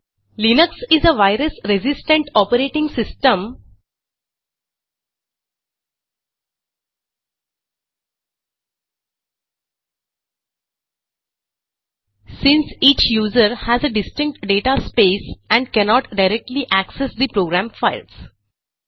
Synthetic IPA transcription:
linəksɪzəʋaɪɾəsɾezɪsʈə̃ɳʈɔːpəɾeːʈɪ̃ŋɡsɪsʈə̃m | sɪ̃nsiːt͡ʃjuːzəɾhæzəɖɪsʈɪ̃ŋk̚ʈɖeːʈaspeːsæ̃ɳɖkɛnɔːʈɖaɪɾɛk̚ʈliʔæksesd̪ipɾoːɡɾæ̃mfaɪls

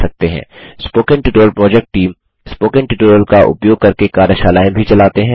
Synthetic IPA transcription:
sɐk̚t̪eɦɛ̰̃ːspoːkə̃ɳʈɪʈoːəlpɾɔːd͡ʒɛk̚ʈʈːiːm | spoːkə̃ɳʈɪʈoːɾəlkaʔʊ̰pjoːɡ̚kɐɾkekaːɾjəʃaːlaːẽbʱit͡ʃɐlaːt̪eɦɛ̃ː

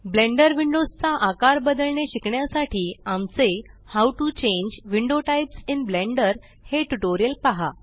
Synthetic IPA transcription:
blẽɳɖəɾʋiɳɖod͡zt͡saʔakaɾbəd̪əlɳeɕikɳjasaʈiːamt͡sehawʈut͡ɕẽɲd͡ʑʋiɳɖoʈajpsinblẽɳɖəɾ | heʈuʈoɾijəlpaɦa

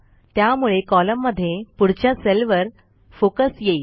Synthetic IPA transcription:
t̪jamuɭekɔləmːəd̪ʱːjepuɽ̤t͡ɕjaselʋəɾ | fokəsjei

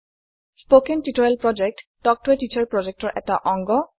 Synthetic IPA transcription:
spokentitɔɹɛlpɹɔd͡ʒek̚td̥ɔk̚twetit͡ʃaɹpɹɔd͡ʒek̚tɔɹʔɛ̰taʔɔŋɡɔ

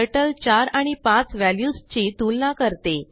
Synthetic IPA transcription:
əʈəlt͡ɕaɾaɽ̃ipãt͡sʋæljust͡ɕiːt̪ulnakəɾt̪e

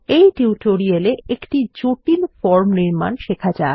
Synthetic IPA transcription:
ejʈiuʈoɾieleekʈid͡ʑoʈilfɔɾmniɾma̰nʃekʰad͡ʑa

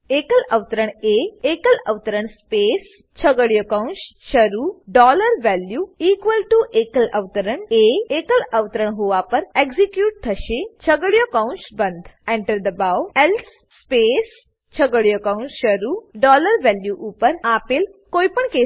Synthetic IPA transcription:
eːkələʋt̪əɾəɳeːekələ̰ʋt̪əɾəɳspeːs | t͡ʃʰəɡəɽjokaũnsʃɐɾuːɖɔːləɾʋɛljuːiːkʋəlʈuʔekələʋt̪əɾəɳeːekələʋt̪əɾəɳ̃ɦuʋapəɾeɡzikjuːʈ̚t̪ʰɐʃet͡ʃʰəɡəɽjokaʊ̃nt͡ʃbə̃nd̪ʱɛ̃ɳʈəɾd̪əbawelsː | peːs | t͡ʃʰəɡəɽjokaʊ̃nt͡ʃʃɐɾuːɖɔːləɾʋɛljuʔupəɾaːpelkoːipəɳkeː

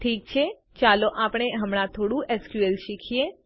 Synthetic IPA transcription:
ʈʰiːk̚t͡ʃʰe | t͡ʃaloʔapɽ̃eɦəmɽ̃ãt̪ʰoɽũʔɛskjuelʃikʰije

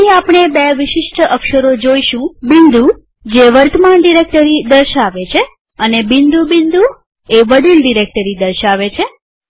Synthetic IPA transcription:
iapɳ̃ebeʋɪʃɪʃʈəkʃəɾod͡ʒoiʃũbind̪u | d͡ʒeʋəɾt̪əmaɳɖiɾek̚ʈəɾid̪əɾʃaʋet͡ʃʰe | ənebɪnd̪ubind̪u | eʋəɽilɖiɾek̚ʈəɾid̪əɾʃaʋet͡ʃʰe

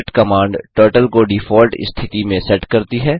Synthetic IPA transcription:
ʈkɐmãːɳɖʈoːʈəlkoɖiːfʰɔːlʈst̪ʰɪt̪imẽsɛʈkɐɾt̪iɦɛː

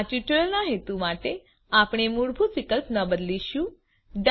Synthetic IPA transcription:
t͡ʃuʈɭəlnaɦet̪umaʈe | apɳ̃emuɽbʱutʋikəlpnəbəd̪liʃũ | d̪

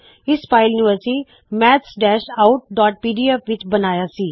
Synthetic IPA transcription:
ɪsːpʰaːɪljunɪʋəɾsiː | mɛːt̪sɖɛːʃaʊʈ̚ɖaːʈ̚piːɖiːɛfʋɪt͡ʃbənaːjaːsiː

